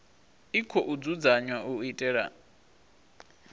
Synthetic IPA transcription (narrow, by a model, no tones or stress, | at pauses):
ikʰɔʔud͡zud͡zaɲwaʔuitʼɛːɺa̰